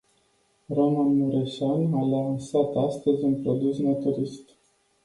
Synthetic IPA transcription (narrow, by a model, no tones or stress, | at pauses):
romanmuɾeʃanalansat̪ast̪əzʲunpɾod̪usnat̪uɾist̪